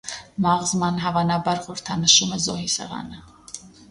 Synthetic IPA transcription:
mɑʁzmɑnɦɑvɑnɑbɑɾχɔɾt̪ʰɑnəʃumɛzɔɦisɛ̰ʁɑ̰nə

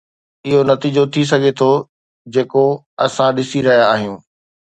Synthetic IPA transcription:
ɪɦonɐt̪iːd͡ʑot̪ʰis̬ɐɡʱet̪ʰo | d͡ʑeːko | ɐsãɗɪsiɾɐɦijaːɦijũː

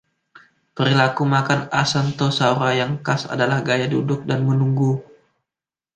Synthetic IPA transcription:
pəɾilakumakanasant̪osauɾajaŋkasa̰dalahɡajadudʊk̚danmənuŋɡu

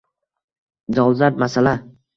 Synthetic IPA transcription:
d͡ʒɒlˠzaɾmasala

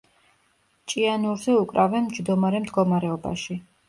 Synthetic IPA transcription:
t͡ʃʼianuɾzɛukʼɾavɛnmd͡ʒd̪ɔmaɾɛmd̪ɡɔmaɾɛɔba̰ʃi

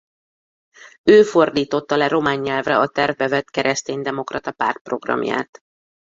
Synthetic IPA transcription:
øːfo̞rd̪iːt̪o̞t̪ːɒlɛɾo̞maːɲːɛlvrɛɒt̪ɛrvbɛvɛt̪kɛɾʔɛst̪eːnd̪ɛmo̞krɒt̪ɒpa̰rt̪̚pro̞ɡrɒ̰mja̰ːt̪

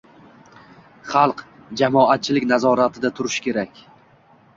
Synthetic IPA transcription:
χɑlˠq | d͡ʒamɒat̪̚t͡ʃʰɪlɪkʲnazɒɾat̪ʰɪd̪at̪ʰʊɾɪʃkʲe̞ɾakʲ

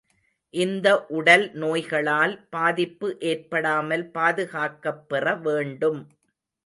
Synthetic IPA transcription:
ʔɪnd̪ɐʔʊɽɐlnoːjɣɐɭaːlpaːðɪpːɯʔeːrpɐɽaːmɐlpaːðɯɣaːkːɐpːɛrɐʋeːɳɖɯm

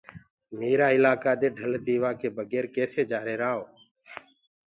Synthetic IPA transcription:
meːɾaːɪlaːkaːd̪eːɖʱəld̪iːʋaːkeːbəɡeːɾkeːseːd͡ʒaːɾeːɾaːɦoː

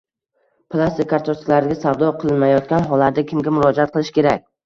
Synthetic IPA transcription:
pʰlˠast̪ɪkʰaɾt̪ʰosɪ̥klaɾɪɡʲasavd̪ɒqʰɨlˠɪnmajɒt̪̚kʲanɦɒlˠːaɾd̪akʲʰɪmɡʲamʊɾɒd͡ʒaat̪̚qʰɨlˠɪʃkʲe̞ɾakʲ

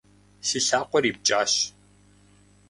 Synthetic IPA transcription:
sɨɬaːqʷɔɾiːp̚t͡ʃʼaːɕ

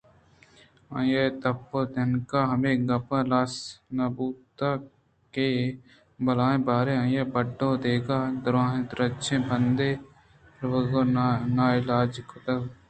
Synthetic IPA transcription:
ãːjeːt̪ɐpːoːd̪ɐnkaːɦɐmẽːɡɐpãlaːsnabuːt̪a | keː | bɐlaːẽbaːɾeãːjeːbəɖːõːd̪eːɡaːd̪ʊɾãːɦẽd̪ɾət͡ʃʰẽːbənd̪eː | ɾʋəɡoːnaːɪlaːd͡ʒkot̪ɐ

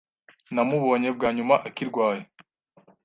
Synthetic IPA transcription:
namuβo̞ːɲe̞b̚ɡaːɲumaʔakiɾɡwaːje

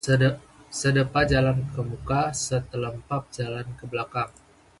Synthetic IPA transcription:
sədəpad͡ʒalankəmukasət̪ələmpap̚d͡ʒalankəblakaŋ

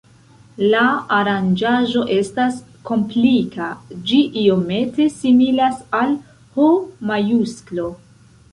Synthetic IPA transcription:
laːɾand͡ʒaʒo̞ʔe̞stas | ko̞mplikad͡ʒiʔio̞me̞te̞similasal | homajusklo̞

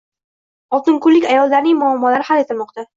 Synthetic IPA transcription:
ɒt̪ɪŋkʊɾlːɪkʲajɒlˠːaɾnɪŋmʊamːɒlaɾɪhale̞t̪ʰɪlmɒq̚t̪a

